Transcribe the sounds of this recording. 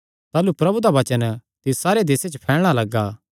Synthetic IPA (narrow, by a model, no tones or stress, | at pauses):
t̪aːlupɾɐbud̪aʋɐt͡ʃənt̪ɪssaːɾed̪eːset͡ʃpʰɛːɭɽ̃alɐɡːaː